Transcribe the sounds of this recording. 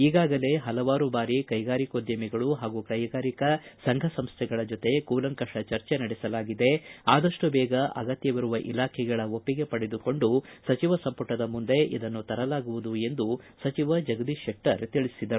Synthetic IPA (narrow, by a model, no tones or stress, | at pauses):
iːɡaːɡɐle̞ɦɐlɐʋaːɾubaːɾikɐjɡaːɾikod̪jɐmiɡɐɭuɦaːɡukɐjɡaːɾikɐsɐŋɡʱɐsɐmst̪ʰɛɡɐɭɐd͡ʒot̪e̞kuːlɐŋkɐʂɐt͡ʃɐɾt͡ʃe̞nɐɽɛsɐlaːɡid̪e̞aːd̪ɐʂʈubɛːɡɐʔɐ̰ɡɐt̪jɐʋiɾuʋɐʔḭlaːkʰɛɡɐɭɐo̞pːiɡe̞pɐɽed̪uko̞ɳɖusɐt͡ʃiʋɐsɐmpɐʈɐd̪ɐmund̪e̞ʔḭd̪ɐnːut̪ɐɾɐlaːɡuʋud̪ue̞nd̪usɐt͡ʃiʋɐd͡ʒɐɡɐd̪iʂek̚ʈɐ̰ɾt̪iɭisid̪ɐɾu